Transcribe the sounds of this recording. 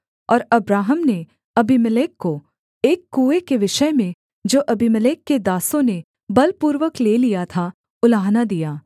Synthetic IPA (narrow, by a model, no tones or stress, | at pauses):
ɔːɾɐbɾaːɦəmne | ɐbiməleːkːo | eːkːuːekeʋɪʃəmẽ | d͡ʒoːʔɐbʱiməleːkːed̪aːsõne | bɐlpuːɾʋəkleːlijat̪ʰa | ʊlaːɦnad̪ijaː